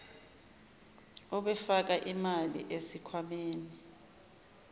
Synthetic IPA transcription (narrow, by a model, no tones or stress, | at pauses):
ɔɓɛfak̬aʔimalḭʔesikʰwameːni